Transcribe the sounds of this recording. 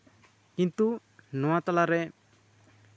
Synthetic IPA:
kint̪u | nɔwat̪alaɾɛ

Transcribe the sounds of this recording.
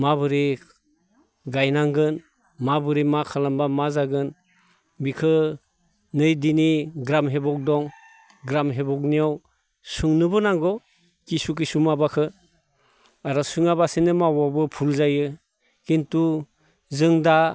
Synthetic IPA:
mabɯɾi | ɡajnaŋɡɯn | mabɯɾimakʰalambamazaɡɯn | bikʰɯ | nɯjdiniɡɾamɦebɔk̚dɔŋ | ɡɾamɦebɔk̚nijaw | sɯŋnɯbɯnaŋɡɔ | kisuk̬isumabakʰɯ | aɾɔsɯŋabasenɯmawabɯpʰulzajɯ | kintu | zɯŋda

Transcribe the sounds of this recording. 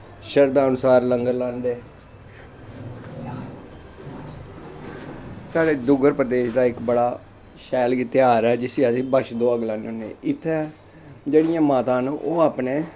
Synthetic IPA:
ʃəɾd̪aːənʊsaːɾləŋɡəɾlãːnd̪eː | saːɽeːd̪ʊɡəɾpɾəd̪eːʃd̪aːɪkbəɽaː | ʃɛːlɡit̪ɪaːɾɛːd͡ʒɪsiasĩːbəʃd̪oːəɡlãːnʊnḛːɪt̪ʰːɛ | d͡ʒeːɽɪjãːmaːt̪ãːnũːʔoːaːpneː

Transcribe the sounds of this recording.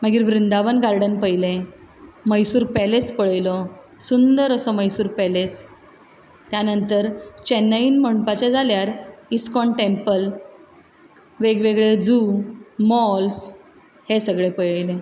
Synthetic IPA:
məɡiːɾʋɾind̪aʋənɡaɾɖənpəjlẽ | məjsuːɾpɛlespəɭəjlɔ | sund̪əɾəsɔməjsuːɾpɛles | t̪janənt̪əɾt͡ɕɛnəinməɳpat͡ɕad͡zaljaɾiskɔɳʈempəl | ʋeɡʋeɡɭed͡zumɔls | hesəɡɭepəjjlẽ

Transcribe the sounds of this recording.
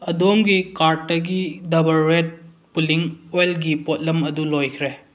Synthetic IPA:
ɐdomɡikaɾʈːɐɡidɐbɐlːet̚ | puliŋojlɡipot̚lɐmɐdulojkʰɾe

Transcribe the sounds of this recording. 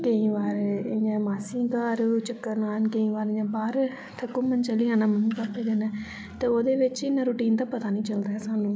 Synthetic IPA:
kəĩːʋaːɾɪjãːmaːsiːkaːɾt͡ʃəkːəɾnaːnkəĩːʋaːɾãːbaːɾ | t̪ʰəkːuːmənt͡ʃəliːãːnãːmənũːkaːpeːd̪eːnãː | t̪eːoːd̪eːʋɪt͡ʃɪnãːɾuːʈiːnt̪aːpət̪aːnĩːt͡ʃəld̪aːɦɛːsaːnũː

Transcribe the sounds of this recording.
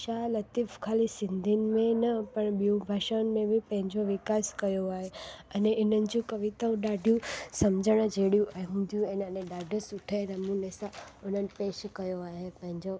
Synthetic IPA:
ʃalət̪ifkʰalisind̪ʱinmẽnəpəɳbiũbʱaʃənmẽbʱipə̃ɦɪ̃ɲd͡ʒoʋikaskəjoaɦeəneʔinənd͡ʒũkəʋit̪aũɖaɖʱjũsəmd͡ʒəɽ̃ə̃d͡ʒeɽjũʔaɦũnd̪ʱjũenəneɖaɖəsuʈʰeɾəmũnesaonənpeʃkəjoaɦepə̃ɦɪ̃ɲd͡ʒo

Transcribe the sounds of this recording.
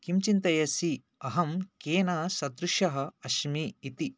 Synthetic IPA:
kimt͡ʃint̪ɐjɐsi | ɐɦɐmkeːnɐsɐd̪ɾuʃɐɦɐ̆ɐʃmiːt̪i

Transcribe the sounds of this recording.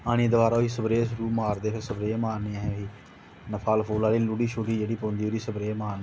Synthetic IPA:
aːɽ̃iːd̪əʋaːɾaːoiːsəbɾeeːsʊɾuːmaːɾd̪eːpʰɪɾsəbɾeːeːmaːɾneːãɦɛ̃ːoiː | nəpʰaːlpʰoːlaːliːluɽiːʃʰoːʈiːd͡ʒeːɽiːpõːnd̪iːoːɾiːsəbɾeːemaːɾn

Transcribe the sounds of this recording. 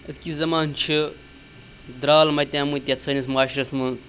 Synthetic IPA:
ɐskʲizɐmaːnt͡ʃʰi | d̪ɾaːlmɐt̪ʲãːmut̪ʲjat͡sʰɐnʲismaːʃɾɐsmɐns

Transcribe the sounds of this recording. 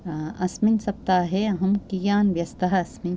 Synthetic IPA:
ɐsminsɐp̚t̪aɦɛɦɐmkijaːnʋjɐst̪aɦɐsmin

